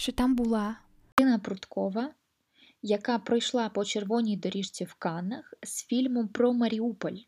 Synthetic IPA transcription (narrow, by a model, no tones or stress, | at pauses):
ʃt͡ʃɔt̪ɑmbʊlˠɑ | ɪnɐpɾʊt̪kɔʋɐ | jɐkɑpɾɪjʃlˠɑpɔt͡ʃerʋɔnʲijd̪ɔɾʲiʃt͡sʲiwkɑnːɐxz̥fʲilʲmʊmpɾɔmɐɾʲiupɔlʲ